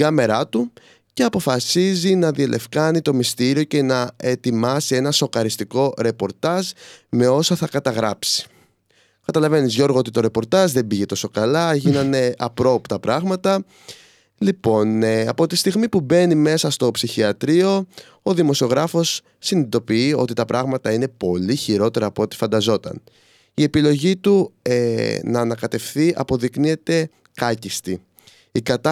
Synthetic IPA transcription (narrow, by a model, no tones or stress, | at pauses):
iɡɐme̞ɾɐt̪u | ce̞ɐpo̞fɐsizinɐðielʔe̞fkɐnit̪o̞mist̪iɾio̞ce̞nɐe̞t̪imɐsie̞nɐso̞kɐɾist̪iko̞ɾe̞po̞ɾt̪ɐzme̞o̞sɐθɐkɐt̪ɐɣɾɐpsi̥ | kɐt̪ɐlɐve̞nizʝo̞ɾɣoot̪it̪o̞ɾe̞po̞ɾt̪ɐzðe̞mbiʝe̞t̪o̞so̞kɐlɐʝinɐne̞ʔɐpɾo̞pt̪ɐpɾɐɣmɐt̪ɐ | lipo̞nɐpo̞t̪ist̪iɣmipube̞nime̞sɐst̪o̞psiçiɐt̪ɾio̞ | oðimo̞sio̞ɣɾɐfo̞sː | init̪o̞piio̞̰t̪it̪ɐpɾʔɐɣmɐt̪ɐinepo̞liçiɾo̞t̪e̞ɾɐːpoot̪i̥fɐnd̪ɐzo̞t̪ɐ̰n | ie̞pilo̞ʝit̪uenɐːnɐkɐt̪e̞fθiʔɐpo̞ðiknie̞t̪e̞ | kɐcist̪i | ikɐt̪ɐ